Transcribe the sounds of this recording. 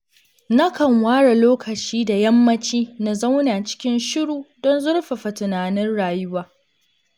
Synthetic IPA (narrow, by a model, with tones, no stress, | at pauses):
na˦kɐ˨ŋwaː˦ɽa˨loː˦kɐ˨t͡ʃiː˦da˨jɐ˦mːɐ˦t͡ʃiː˦na˨zɐ˦wna˨t͡ʃɪ̥˦kʲɪ˦nʃɪ˦ɽuː˨dɔ˦nzʊ˦ɽɸa˨ɸa˨tʊ˨naː˨nɪ˦nɽaː˨jʊ˦waː˨